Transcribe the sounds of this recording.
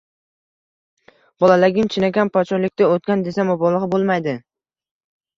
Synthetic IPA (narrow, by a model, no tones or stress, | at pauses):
bɒlˠalɪɡʲɪmt͡ʃʰɪnaɡʲanpʰɒt͡ʃʰɒɾlɪkʲt̪aot̪̚kʲand̪esamɒbɒlˠɨʁbolˠmajd̪ɪ